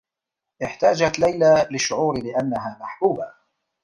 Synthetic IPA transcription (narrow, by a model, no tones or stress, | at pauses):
ʔɪħt̪aːd͡ʒat̪lajlalɪʃːʊʕuːɾlɪʔanːaɦaːmaħbuːba